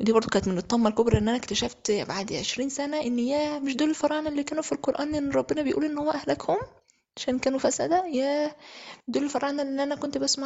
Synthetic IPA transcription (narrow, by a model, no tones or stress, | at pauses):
wed̪ibɑɾˤd̪ˤokæːnæt̪menet̪ˤːɑmːɑlkobɾˤɑʔenːʔænæʔekt̪æʃæft̪baʕd̪ʕeʃɾiːnsænæʔenːjæmɪʃd̪oːlelfɑɾˤɑːʕnʔelːiːkæːnufilqoɾˤʔæːnʔenːɾˤɑbːenɑbejʔṵːlʔenːhowːæʔæhlækhom | ʕaʃæːnkæːnufæsæ̰d̪æjæ | d̪oːlelfɑɾˤʔɑːʕnelːʔʔænækont̪bæsma